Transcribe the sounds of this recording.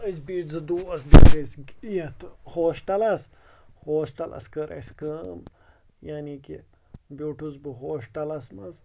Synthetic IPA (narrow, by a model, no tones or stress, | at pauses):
ɐsbiːʈzɨd̪uːɐsd̪ḭːʈɐsijɐt̪hoːʃʈɐlɐshoːʃʈɐlɐ̰skɐɾʔɐ̰sʲkəm | jaːniki | bʲuːʈuzbɨɦoːʃʈɐlɐsmɐz